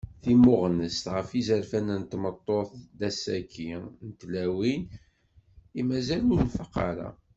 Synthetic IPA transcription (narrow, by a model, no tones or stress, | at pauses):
θimʊʁnəst̪ʁəfizəɾfænænt̪mət̪ˤːoθd̪æsækʰːinət̪læwin | imæzælʊɾnfəqːɑ̰ɾa̰